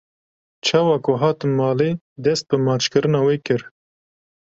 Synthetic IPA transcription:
t͡ʃʰɑwakoɦɑːt̪ɨmːɑːle | d̪ɛst̪̚pɨmɑːt͡ʃkɨɾɨnaːweːkɨɾ

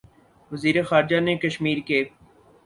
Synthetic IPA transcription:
ʋɐziːɾexaːɾɪd͡ʒanekɐʃmiːɾkeː

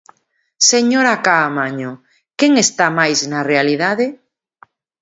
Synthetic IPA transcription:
seɲoɾakaːmaɲo | keŋest̪amajznarealiðaðe

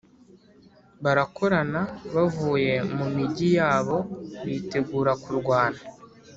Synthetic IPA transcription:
βaɾako̞ɾanaβavuːje̞mumiɟijaːβo̞βiːte̞ɡuːɾakuɾɡwaːna

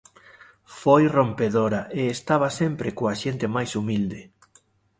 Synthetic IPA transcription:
fojrompeðoɾɐʔeːst̪aβɐsempɾekoaʃent̪ɪmajsumild̪e

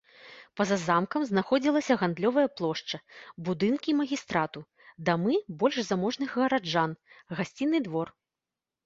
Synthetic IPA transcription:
pɐzazamkɐmznaxɔd͡zʲilˠɐsʲɐɣand̪lʲɔvɐjɐplˠɔʂt͡ʂɐbud̪ɨnkʲimɐɣʲist̪ɾat̪u | d̪amɨbɔlʲʐzamɔʐnɨɣɣɐɾad͡ʐanɣasʲt͡sʲinːɨd̪vɔr

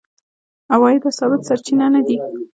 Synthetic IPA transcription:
awɑjib̪asɑbɪt̪saɾt͡ʃinanad̪i

